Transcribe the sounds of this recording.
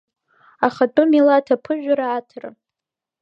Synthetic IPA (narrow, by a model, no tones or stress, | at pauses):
aχatʼumilatʰapʰɨʒᶣaɾaːtʰra̰